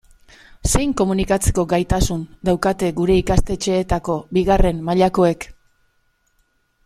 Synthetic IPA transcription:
se̞jŋko̞munikat͡se̞̥ko̞ɡajt̪asund̪awkat̪e̞ɡuɾe̞ikast̪e̞t͡ʃe̞ːt̪ako̞biɣare̞mmaʎako̞e̞k

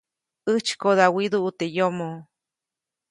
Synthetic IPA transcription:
ɨt͡ʃkoðawid̪uut̪ejomo

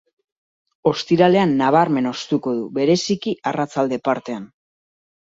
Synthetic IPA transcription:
o̞st̪iɾale̞anːaβ̞aɾme̞no̞st̪uko̞ðuβe̞ɾe̞sikiarat͡sald̪e̞paɾt̪e̞an

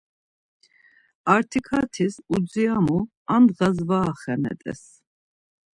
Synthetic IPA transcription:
aɾt̪ʰikʰat̪ʰisud͡ziamu | amɣazvaːχɛmɛ̰t̪ʼɛ̰s

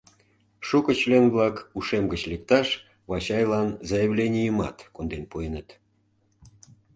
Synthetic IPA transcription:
ʃukə̆t͡ɕlenβlɑkuʃemɡət͡ɕlek̚t̪ɑʃ | βɑt͡ɕɑjlɑnzɑjəβlʲenʲijəmɑ̰t̪kond̪enpoenət̪

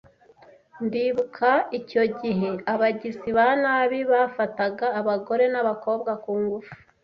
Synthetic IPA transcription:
ndiβukʰaico̞ɟiɦe̞aβaɟiziβanaːβiβaːfataɡaːβaɡo̞ɾe̞naβako̞ːbɡakuːŋɡufu̥

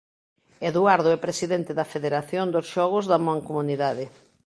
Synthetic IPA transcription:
eðuaɾðoɛpɾesiðent̪ɪðɐfeðeɾaθjond̪osʃɔɣʊzðɐmãŋkomuniðaðɪ

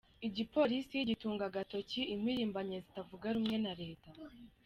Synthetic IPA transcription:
iɟipo̞ɾisijiɟituːŋɡaɡato̞ciim̥hwiːɾiːmbaɲezitavuɡaɾumŋe̞naɾe̞ːta

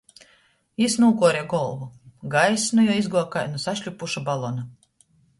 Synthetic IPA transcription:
isnuːkuɔɾɛɡɔlˠvuɡajsnujɔizɡuɔkajnusaʃʲlʲupuʃabalˠɔna

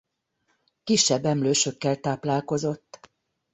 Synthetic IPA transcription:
kiʃːɛbːɛmløːʃø̞kːɛlt̪aːplaːlko̞zo̞t̪ː

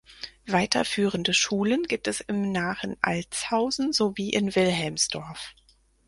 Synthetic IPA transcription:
v̥aɪtʰɐ̰fyːʁ̞əndəʃuːlənɡiːp̚tɛsɪmnaːχənʔa̰lt͡shaʊzn̩zoviːʔɪnvɪlɦɛlmsd̥ɔɐf

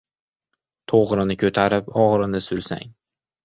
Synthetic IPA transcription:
t̪ʰoʁɾɪnɪkʰɵt̪ʰaɾɪpɒʁɾɪnɪsʊɾsa̰ŋ

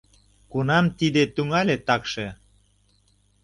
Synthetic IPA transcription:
kunɑmt̪id̪et̪yŋɑlʲet̪ɑkʃe

